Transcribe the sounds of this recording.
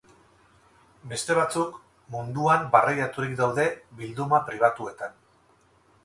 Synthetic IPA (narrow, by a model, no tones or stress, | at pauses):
be̞st̪e̞β̞at͡suk | mund̪uambarajat̪uɾikd̪awðe̞βild̪umapɾiβ̞at̪ue̞t̪an